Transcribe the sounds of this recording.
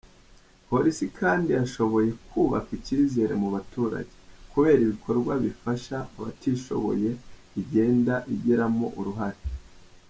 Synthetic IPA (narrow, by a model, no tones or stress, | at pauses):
po̞ɾisikʰaːndijaʃo̞βo̞je̞kʰuːβakiciːze̞ɾe̞̰muβatuːɾa̰ɟe̥kuβe̞ːɾiβikʰo̞ɾɡwaβifaʃaːβa̰tiːʃo̞̰βo̞̰je̞ | iɟe̞ːndaʔiɟiɾamo̞̰ʔuɾuɦaɾe